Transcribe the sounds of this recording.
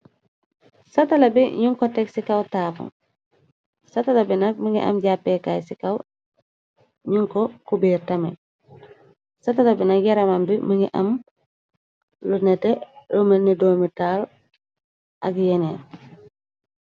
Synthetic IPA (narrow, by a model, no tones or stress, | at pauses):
satalabiɲuŋkɔtɛksikawtaːpṵn | satalabinɐk̚məŋɡḭʔa̰mɟapːɛkaːjsikaw | ɲuŋkɔkubiːɾtamɛ̰n | satalabinɐk̚jɛɾamambiməŋɡḭʔɐ̰m | lunɛtɛlomɛnidoːmitaːl | ʔɐkjɛnɛn